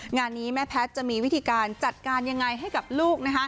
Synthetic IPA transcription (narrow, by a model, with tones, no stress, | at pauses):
ŋaː˧nːiː˦˥mɛ˦˥pʰɛ˦˥t̪̚t͡ɕa˨˩ʔmiː˧wi˦˥t̪ʰiː˧kaː˧nt͡ɕa˨˩t̪̚kaː˧nja˧ŋːa˧jɦa˥˩jka˨˩p̚luː˥˩k̚na˦˥kʰa˦˥